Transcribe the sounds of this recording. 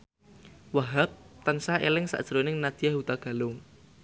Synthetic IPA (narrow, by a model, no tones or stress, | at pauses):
waɦap̚t̪ənsaḛlɪŋsa̰ʔd̥ʒ̥əɾonɪŋnad̪̥ijahɦut̪aɡ̥a̤lʊŋ